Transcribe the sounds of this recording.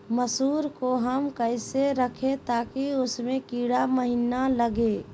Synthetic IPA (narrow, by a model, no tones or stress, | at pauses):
məsuːɾkoɦəmkəɪseɾəkʰet̪aːkiʊsmẽkiːɽaməɦinaləɡe